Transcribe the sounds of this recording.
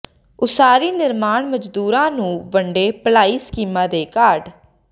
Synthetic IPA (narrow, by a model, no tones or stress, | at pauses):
ʊsaːɾiːnɪɾmaːɳməd͡ʒd̪uːɾãːnũːʋəɳɖeːpəlaːiːskiːmãːd̪eːkaːɖ